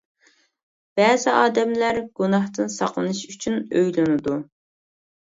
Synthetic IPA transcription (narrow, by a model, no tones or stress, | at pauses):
b̥ɛːzɪʔɑːd̪ɛmlæɾɡ̥unɑht̪ɨnsɑqlˠɨnɨʃyt͡ʃʰynøjlɪnɨd̪u